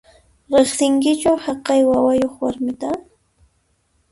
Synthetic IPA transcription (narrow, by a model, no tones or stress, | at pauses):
ɾeχsɪŋkɪt͡ʃʊhɑqɑjwawajoχwaɾmɪt̪a